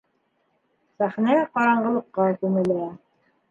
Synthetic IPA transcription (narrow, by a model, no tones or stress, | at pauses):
sæχnæqɑɾɑɴɢɤ̆lˠɤ̆qːɑkʉmɘ̆læ